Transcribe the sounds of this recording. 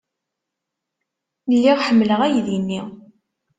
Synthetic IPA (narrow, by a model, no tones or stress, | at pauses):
lːiʁħəmːləʁæjðinːi